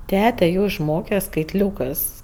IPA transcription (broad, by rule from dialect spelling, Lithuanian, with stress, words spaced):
ˈtʲæːtʲɛ ˈjoː ɪʃˈmoːkʲɛ skɐɪtʲˈlʲuːkɜs